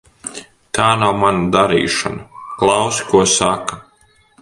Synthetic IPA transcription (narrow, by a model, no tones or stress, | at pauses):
t̪aːnawmanad̪aɾḭːʃa̰naklˠawsi̥kuɔsaka